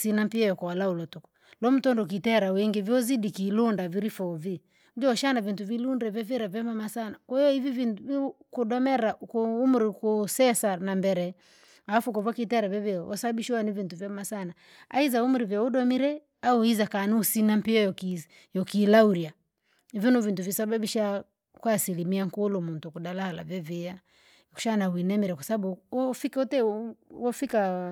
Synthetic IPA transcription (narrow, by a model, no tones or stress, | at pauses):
sinam̩piajɔkɔalaulɔtɔkɔ̥ | lɔm̩tɔndɔk̬itɛɾawɛŋɡɛvjɔzidikilundaviɾifɔvi | dɔʃanavintuvilundɛvɛvɛɾavɛmamasanakwɛjɔivivikuɗɔmɛɾakumuɾikusɛsanambɛɾɛ | afukɔvakitɛɾavɛvɛɔ̰sabiʃuwanivintuvjɛmasana | a̰izaumuɾivjauɗɔmiɾɛ | auizakanusinampiɔjɔki | jɔkiːlauɾia | ivjɔnuvintuvisaɓabiʃa | kwasilimiaŋkulumuntukuɗalahala̰vɛvia | ku̥ʃanawinɛmiɾɛkwasababuɔfikutɛwɔfika